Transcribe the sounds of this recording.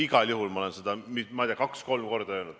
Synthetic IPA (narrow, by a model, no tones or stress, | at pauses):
iɡ̥ɑlʲjuɦulmɑolensed̪ɑmimɑj̪ʲiːɑkɑksko̞lmko̞rd̪̥ɑeːnud̪̥